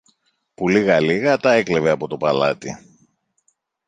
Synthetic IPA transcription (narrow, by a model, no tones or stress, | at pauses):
puliɣɐliɣɐt̪ɐe̞kleve̞ɐpo̞t̪o̞pɐlɐ̰t̪i